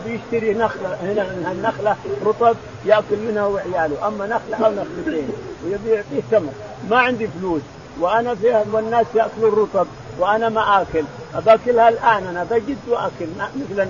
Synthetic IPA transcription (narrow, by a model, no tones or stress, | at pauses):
bjɪʃt̪aɾinaxlahɪnamɪnanːaxlaɾˤʊt̪ˤɑb̚ | jɪʔkʊlmɪnhawɪʕjaːlʊʔamːanaxlaʔawnaxlibeːnwɪjabjʊʕt̪ˤiːht̪amɾˤ | maʕɪnd̪ifluːs | wɪʔanafihwɪnːaːsjɪʔkʊlʊrˤːɑt̪ˤɑb̚ | wɪʔanamaʔaːkʊlʔabakɪlhalʔaːnʔanabaɡɪd̪wʔakalmɪθl